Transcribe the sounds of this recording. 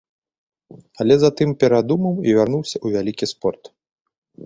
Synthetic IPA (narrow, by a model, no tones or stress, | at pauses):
ɐlʲɛzat̪ɨmpʲɛɾad̪umɐwivʲarnuwsʲɐuvʲalʲikʲispɔrt̪